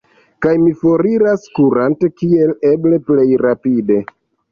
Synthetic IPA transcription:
kajmifo̞ɾiɾaskuɾante̞kie̞leble̞ple̞jɾapide̞

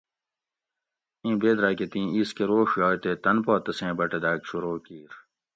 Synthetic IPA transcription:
ĩːbeːd̪ɾaːket̪ĩːiːskeɾoːʂjɔːjt̪eːt̪ɐnpoːt̪ɐsẽːbɐʈed̪aːkɕuɾoːkiːɾ

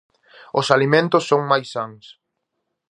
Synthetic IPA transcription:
ʊsalimẽnt̪ʊsːoŋmajsːaŋs

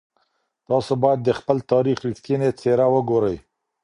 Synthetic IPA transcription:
t̪ɑsobɑjad̪ːəxpəlt̪ɑɾixɾiʈkinet͡sʰeɾawəɡoɾəj

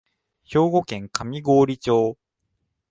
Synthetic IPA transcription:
ço̞ːɡo̞kẽ̞ŋkamʲiɡo̞ːɾʲit͡ɕo̞ː

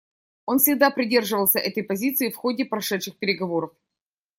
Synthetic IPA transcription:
o̞nfsʲɪɡd̪apɾʲɪdʲe̞rʐɨvəlˠsʲəʔɛt̪əjpɐzʲit̪sɨjfxo̞dʲɪpɾɐʂɛt̪ʂɨxpʲɪɾʲɪɡɐvo̞ɾəf

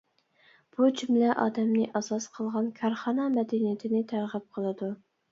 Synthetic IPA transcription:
b̥ut͡ʃʰymlɛʔɑ̰ːd̪ɛmnɪʔɑzɑsqʰəlˠʁɑnkʲʰɑɾχɑnɑmɛd̪ɛnijɪt̪ʰɪnɪt̪ʰæɾʁəp̚qʰəlˠɨd̪u

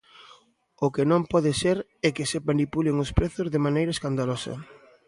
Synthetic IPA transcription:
ʊkɪnõmpɔðɪseɾ | ɛkɪsemanipulɪŋʊspɾeθʊzðemanejɾɐeskand̪alosɐ̰

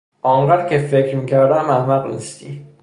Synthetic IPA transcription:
ʔɒːɴɢæːd̪cʰefecʰɾmiːcʰæɾd̪æmæhmæʁnḭst̪ḭ

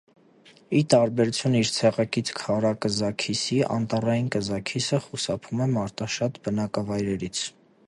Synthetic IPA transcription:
it̪ɑɾbɛɾut͡sʰjuniɾt͡sʰɛʁɑkit͡sʰkʰɑɾɑkəzɑkʰisiʔɑ̰nt̪ɑrɑjinkəzɑkʰisəχusɑpʰumɛmɑɾt̪ɑʃɑt̪bənɑkɑvɑjɾɛɾit͡sʰ

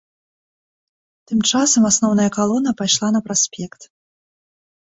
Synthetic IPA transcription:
t̪ɨmt͡ʂasɐmasnɔwnɐjɐkalˠɔnːɐpajʂlˠanɐpɾasʲpʲɛkt̪

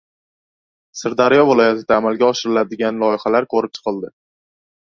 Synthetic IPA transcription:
sɪɾd̪aɾɪjɒvɪlˠɒjat̪ʰɪd̪aːmalɡʲaɒʃɪɾɪlad̪ɪɡʲanlˠɒjɪχalaɾkʰoɾɪp̚t͡ʃʰɨ̥qɨlˠd̪ɪ

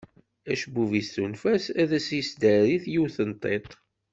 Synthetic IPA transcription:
æʃbuvisθunfæsæðæsjəsd̪æɾiθjiwθənt̪ˤːet̪ˤ

